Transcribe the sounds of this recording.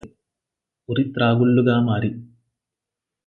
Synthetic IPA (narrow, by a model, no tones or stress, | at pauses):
oɾit̪ɾaːɡuɭːuɣaːmaːɾi